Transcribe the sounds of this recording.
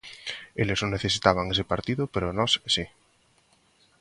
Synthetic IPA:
eleznoneθesit̪aβ̞aŋes̬epaɾt̪iðʊpeɾonɔsesi

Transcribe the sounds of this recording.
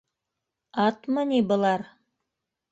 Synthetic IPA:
ɑt̪mənʲibə̆lˠɑɾ

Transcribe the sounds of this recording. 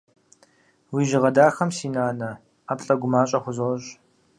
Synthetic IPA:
wiːʒɪʁɐdaːxɐmsiːnaːnɐ | aːpɬʼɐɡʷʊmaːɕʼɐχʷʊzoɕ

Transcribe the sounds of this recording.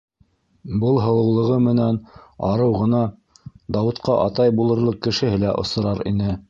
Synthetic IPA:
bɤlˠɦɤ̆lˠɤ̆wlˠɤ̆ʁɤmɘ̆nænɑ̰ɾɤwʁɤ̆nɑ | d̪ɑwɤ̆t̪qɑʔɑt̪ɑjbulˠɤ̆ɾlˠɤq̚kːɘ̆ʃɘ̆ɦɘlæʔŏ̰sɤ̆ɾɑɾḭnɘ

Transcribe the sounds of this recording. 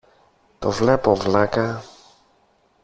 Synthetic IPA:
t̪ɔvlɛpɔvlaka

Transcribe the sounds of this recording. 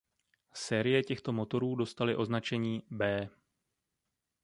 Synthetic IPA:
sɛːɾɪjɛcɛxt̪o̞mo̞t̪o̞ɾuːdo̞st̪alɪʔo̞znat͡ʃɛɲiːbɛː

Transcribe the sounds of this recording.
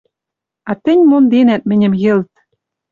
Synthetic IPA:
ɑt̪ɘ̆nʲmond̪enæt̪̚mɘ̆nʲɘ̆mjɘ̆lt̪̚

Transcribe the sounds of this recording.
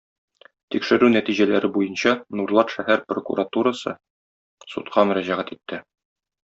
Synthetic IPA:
t̪ikʃɘ̆ɾʉnæt̪iʑælæɾɘbujɤnɕɑnurlˠɑt̪ʃæhæɾprokṵɾat̪uɾasɤ̰ | sut̪qʰɑmɵ̆ɾæʑæʁæt̪it̪ːɘ

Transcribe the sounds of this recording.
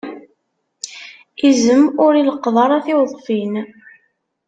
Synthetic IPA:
izəmʊɾiləqðˤɑɾˤæθɪwðˤfin

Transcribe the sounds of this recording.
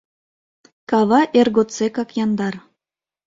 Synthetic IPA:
kɑβɑʔerɣot̪t͡sekɑkjɑnd̪ɑr

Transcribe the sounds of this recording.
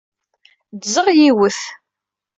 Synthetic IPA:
dzəʁjiwəθ

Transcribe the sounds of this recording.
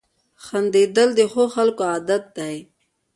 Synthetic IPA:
xand̪ed̪əld̪exoxalkoaːd̪at̪̚d̪aj

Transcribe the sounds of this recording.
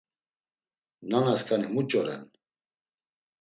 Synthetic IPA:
nanaskʰʼanimut͡ʃʼɔɾɛ̰n

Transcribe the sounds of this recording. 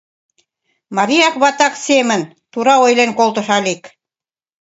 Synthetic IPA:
mɑɾijɑkβɑt̪ɑksemə̆n | t̪uɾɑojlenkolˠt̪ɤ̆ʃɑlik

